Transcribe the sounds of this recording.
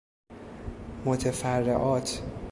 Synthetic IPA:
mot̪ʰefærːḛʔɒːt̪ʰ

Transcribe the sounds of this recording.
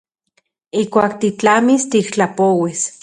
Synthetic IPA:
iːkʷaːkt̪it͡ɬamist̪ikt͡ɬapowis

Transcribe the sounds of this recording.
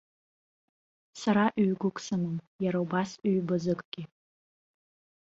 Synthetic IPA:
saɾaʔɥɥɡʷʊkʷʼsamɨmjaɾaubasɥbɨzɨkʼɡ̥ʲɪ

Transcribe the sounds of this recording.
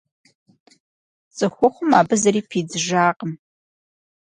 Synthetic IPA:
t͡sʼɨxʷʊχʷʊmaːbɨzɐɾiːpʰiːd͡zɨʒaːqʼəm

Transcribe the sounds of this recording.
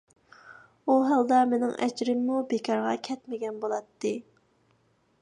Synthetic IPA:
uɦɑlˠd̪ɑmenɪŋʔɛ̰d͡ʒɾɪmːubekʰɑɾʁɑkʲʰɛt̪mɪɡʲɛnbolˠɑt̪ːɨ

